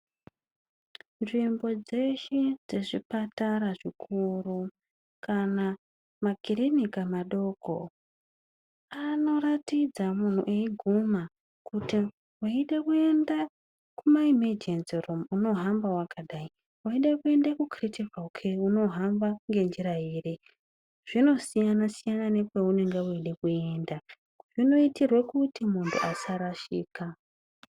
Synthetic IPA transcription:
nʐimbo̞d͡ze̞ʃed͡ze̞ʐipataɾaʐikʰuru | kana | maɡiɾinikamaɗo̞ko̰ | ano̞ɾatid͡zamun̤ṵʔeiɡʱuma | kuti | waiɗe̞kue̞nda | kumaimerd͡ʒensiromuno̞ɦambawakʰaɗai | waiɗekue̞ndakukritevaukʰeuno̞ɦambaŋɡe̞nd͡ʒiɾaiːre | ʐ̥ino̞sijanasijananekweune̞ŋɡeuiɗe̞kue̞nda | ʐino̞itirwekutimuntʰṵʔasaɾaʃḭːka

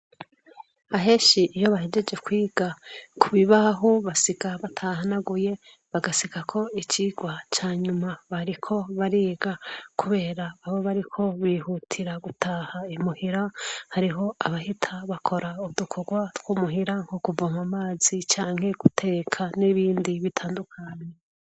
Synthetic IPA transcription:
aɦe̞ːʃiʔijo̞βaɦe̞d͡ʒe̞d͡ʒe̞kwiːɡ̥akʰuβiβaɦoβasiɡaβatʰaɦanaɡuje̞ | βaɡasiɡakʰo̞it͡ʃiɡwat͡ʃaːɲumaβaɾikʰo̞βaɾiːɡakʰuβe̞ːɾaːβo̞βaɾikʰo̞βiːhutʰiɾaɡutʰahaimuhiɾahaɾiɦo̞aβahitʰaβakʰo̞ɾauβdukʰoɡwatɡwuːmuɦiɾaŋhokubomamaːz̥it͡ʃaːŋ̥he̞ɡutʰe̞ːkʰaniβiːndiβitʰaːndukʰaːɲe

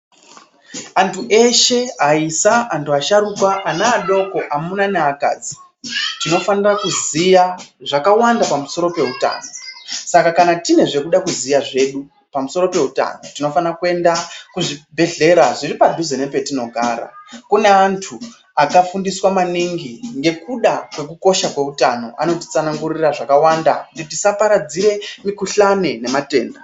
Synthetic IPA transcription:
antʰuʔe̞ʃe̞aisaantuaʃarukwaʔanaːɗo̞ko̞ʔamunaneaka̰ːd͡zi̥ | tino̞fanirakuzijaʐakawandapamuso̞ɾo̞pe̞ɦuta̰ːno̞sakakanatine̞ʐe̞kuɗakuzijaʐe̞ɗu | pamuso̞ɾo̞pe̞ɦuta̰notino̞fanrakue̞ndakuʐibʱe̞ɮe̞ɾaʐiripadʱuzenepe̞tino̞ɡʱaːɾa̰kune̞antʰu | akafundiswamaniŋɡiŋɡe̞kuɗakwe̞k̬uko̞ʃakwe̞utano̞̰a̰no̞ti̥t͡sanaŋɡuriraʐakawandauditisapaɾad͡ziɾe̞mikuɬanene̞mate̞̰ːnda

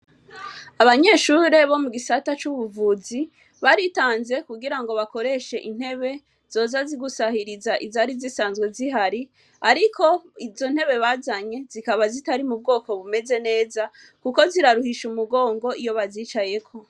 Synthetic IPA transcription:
aβaɲe̞ːʃuɾe̞βo̞muɡisatat͡ʃuβuvuzi | βaɾitaːnze̞kuɡiɾaŋɡo̞βako̞ɾe̞ʃe̞ʔin̥he̞βe̞ | z̥o̞ːzaziɡusahiɾizaʔizaɾizisaːnzɡwe̞ziɦaɾi | aɾikʰo̞izo̞n̥he̞βe̞βaːzaɲe̞zikaβazitaɾimub̚ɡo̞ːko̞βume̞ze̞ne̞ːza | kuko̞ziɾaɾuhiʃumuɡo̞ːŋɡo̞ʔijo̞βaziːt͡ʃaje̞kʰo̞

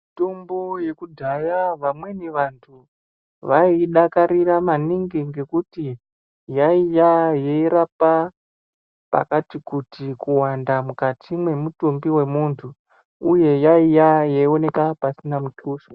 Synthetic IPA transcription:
itomboje̞kudʱajaʋamwe̞niʋantʰu | ʋaiɗakaɾiramaniŋɡiŋɡe̞kuti | jaijajeiɾapa | pa̰katikutikuwandamukatʰimwe̞mutumbiwe̞muːntʰu | uje̞jaijajaio̞ne̞kapasinamutuːʃo

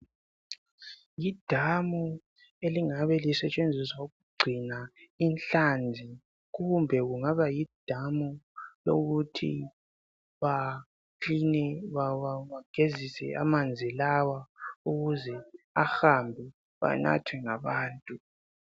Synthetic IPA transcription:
jid̥ʱamu | eliŋaβɛlisɛt͡ʃʼend͡zʱiswauɣuɡ͡ǀʱinainɬand͡zʱi | ɣumbʱɛɣuŋaβajid̥ʱamulo̰ɣutʰḭ | βa | kʰinɛβaawaɡ̥ʱezisɛ̰a̰mand͡zʱilawauɣuzɛaxambʱɛ | βa̰na̰tʰwɛŋaβaːntʼu

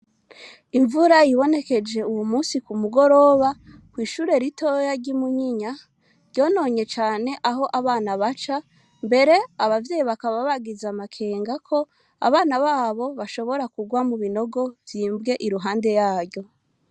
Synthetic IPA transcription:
iɱvuɾajiβo̞ne̞ke̞d͡ʒe̞uwumuːsikumuɡo̞ɾo̞βa | kwiːʃuːɾe̞ɾitojaɟimuɲiɲa | ɾɟo̞ːno̞ːɲe̞t͡ʃaːne̞ʔaɦo̞ʔaβaːnaβat͡ʃa | mbe̞ɾe̞aβavje̞ːjiβakaβaβaɡizamakʰe̞ːŋɡakʰo̞ | a̰βaːnaβaːβo̞βaʃo̞βo̞ɾakuɡwamuβino̞ɡo̞vjiːmbɡe̞ʔiɾuɦaːnde̞jaːɾjɟo̞

